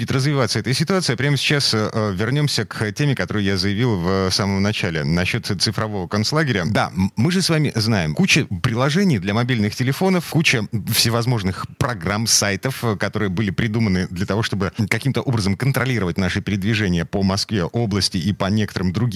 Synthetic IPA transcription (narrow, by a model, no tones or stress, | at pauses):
dʲɪt̪rəzvʲɪvat̪səɛt̪əsʲɪt̪ʊat̪sɨiːɐpɾʲaməsʲɪ̥t͡ɕasvʲɪrnʲo̞msʲəkʰtʲemʲɪkɐt̪o̞ɾɨjjazɨjɪvʲilˠvsaməmnɐt͡ɕælʲɪnɐɕːo̞t̪t̪sɨfɾɐvo̞vəkɐnslˠaɡʲɪɾʲəd̪a̰mɨʐɨsvamʲɪznajɪmkut͡ɕəpɾʲɪlˠɐʐɛnʲɪjd̪lʲɐmɐbʲilʲnɨxtʲɪlʲɪfo̞nəfkut͡ɕəfsʲɪvɐzmo̞ʐnɨxpɾɐɡramsajt̪əfkɐt̪o̞ɾɨjəbɨlʲɪpɾʲɪd̪umənɨd̪lʲɐt̪ɐvo̞ʂt̪obɨkɐkʲimt̪əʔo̞bɾəzəmkənt̪ɾɐlʲiɾəvət̚ʲnaʂɨpʲɪɾʲɪd̪vʲɪʐɛnʲɪjəpəmɐskvʲeʔo̞blˠəsʲtʲɪipɐnʲe̞kət̪əɾɨmd̪ɾʊɡʲ